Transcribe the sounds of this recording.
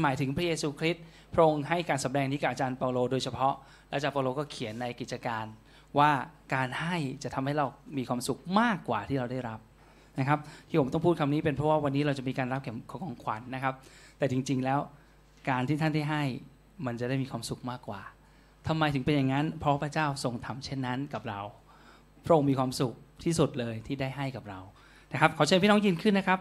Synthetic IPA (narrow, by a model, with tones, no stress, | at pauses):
maː˨˦jt̪ʰɯ˩˦ŋpʰɾa˦˥jeː˧suː˧kʰɾi˦˥t̪̚ | pʰɾa˦˥ʔo˧ŋha˥˩jkaː˧nsa˩˦mdɛː˧ŋt̪ʰiː˦˥ka˨˩p̚ʔa˧t͡ɕaː˧npaː˧loː˧doː˧jt͡ɕʰa˧pʰɔ˦˥ | lɛ˦˥wt͡ɕa˨˧˩paː˧loː˧kɔː˥˩kʰi˨˩˦ənːa˧jki˨˩t̪̚t͡ɕa˧kaː˧n | waː˥˩kaː˧nha˥˩jt͡ɕa˨˩ʔt̪ʰa˧mha˥˩jɾa˧wmiː˧kwaː˧msu˨˩k̚maː˥˩kːwaː˨˩t̪ʰiː˥˩ɾa˧wda˥˩jɾa˦˥p̚ | na˦˥kʰa˦˥p̚t̪ʰiː˥˩o˩˦mt̪ɔ˥˩ŋpʰuː˥˩kʰmniː˦˥pe˧npʰɾɔ˦˥waː˥˩wa˧nːiː˦˥ɾa˧wt͡ɕa˨˩miː˧kaː˧nɾa˦˥p̚kʰɛː˩˦mkʰɔː˨˦kʰɔː˨˦ŋkʰwa˨˩˦nːa˦˥kʰa˦˥p̚t̪ɛː˨˩t͡ɕi˧ŋt͡ɕi˧ŋlɛː˦˥w | kaː˧nt̪ʰiː˥˩t̪ʰa˥˩daː˥˩jɦa˥˩j | ma˧nt͡ɕa˨˩daː˥˩jmiː˧kʰwaː˧msu˨˩k̚maː˥˩kːwa̰ː˨˩ | t̪ʰa˧mːa˧jt̪ʰɯ˩˦pe˧nja˨˩ŋːa˦˥npʰɾɔ˦wpʰɾa˧˥t͡ɕaː˥˩wso˧ŋt̪ʰa˧mt͡ɕʰe˥˩nːa˦˥nka˨˩p̚ɾa˧w | pʰɾʔo˧ŋmiː˧kʰwaː˧msu˨˩k̚t̪ʰiː˥˩su˨˩t̪̚lɤː˧jt̪ʰiː˥˩daː˥˩jɦa˥˩jka˨˩p̚ɾa˧w | na˦˥kʰa˦˥p̚kʰa˨˦t͡ɕʰɤː˧pʰi˥˩nɔː˦˥ŋji˧nkʰɯ˥˩nːa˦˥kʰa˦˥p̚